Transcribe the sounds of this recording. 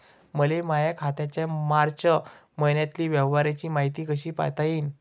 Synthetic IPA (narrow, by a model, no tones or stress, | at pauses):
məlemajakʰat̪jat͡ɕjamaɾt͡ɕə | məjnjat̪liːʋjəʋʋaɾat͡ɕiːmaɦit̪iːkəɕiːpa̰jt̪aiːn